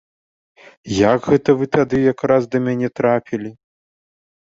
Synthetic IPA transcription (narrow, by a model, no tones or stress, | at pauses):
jaɡɣɛt̪ɐvɨt̪ad̪ɨjakɾasd̪ɐmʲanʲɛt̪ɾapʲilʲi